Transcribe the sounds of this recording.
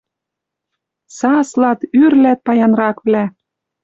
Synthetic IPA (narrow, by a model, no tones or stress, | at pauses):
sɑslɑt̪yrlæt̪̚pɑjɑnrɑkβlæ